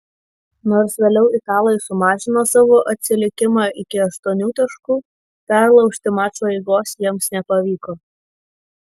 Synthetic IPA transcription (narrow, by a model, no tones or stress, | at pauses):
noːɾsʋʲeːlʲɛʊʔɪt̪ɑːlˠɐɪsʊmɑːʒʲɪnoːsɑːʋoːʔɐt̪ʲsʲɪlʲɪkʲɪmɑːʔɪkʲɪɐʃt̪oːnʲuːt̪ɐʃkuː | pʲɛɾlˠɐʊkʃʲt̪ʲɪmɑːt͡ʃoːɛɪɡoːsjiɛmsnʲɛpɐʋʲiːkoː